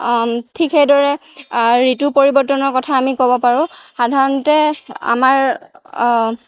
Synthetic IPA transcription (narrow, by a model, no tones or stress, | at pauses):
tʰikxejdɔɹɛ | ɹitupoɹibɔtːɔnɔɹkɔtʰaːmikɔbɔpaɹʊ̃xadʱaɹɔntɛa̰maɹ